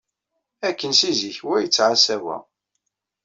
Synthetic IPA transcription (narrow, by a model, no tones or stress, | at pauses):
ækːənsiziçwæjət͡sːʕasæwæ̰